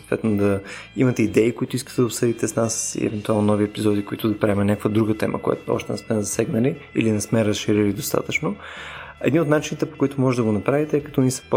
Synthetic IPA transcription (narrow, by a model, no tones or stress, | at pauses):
so̥t̪vɛ̰t̪nod̪ɐimɐt̪ɛid̪ɛikoit̪ʊiskə̥t̪ɛd̪əopsɤd̪it̪ɛsnasḭɛ̰vɛnt̪ualˠnonɔviɛpizɔd̪ikoit̪ʊd̪ɐpɾaɛmɛnʲakəkvəd̪ɾuɡət̪ɛ̰mə̰kojɛ̰t̪ɔ̰ʃt̪ɛnɛsmɛzɐsɛɡnəliḭlinɛsmɛɾəsʃiɾilid̪ost̪a̰t̪ət͡ʃnoɛ̰d̪niot̪nat͡ʃinit̪ɛpo̥koit̪ʊmɔʒɛd̪ɐɡonɐpɾavit̪ɛɛkɐ̥t̪ɔnisə̥p